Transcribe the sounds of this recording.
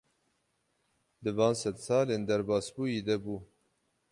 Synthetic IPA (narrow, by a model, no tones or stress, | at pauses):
d̪ɨvɑːnsɛd̪sɑːleːnd̪æɾbɑːsbuːjid̪ɛbuː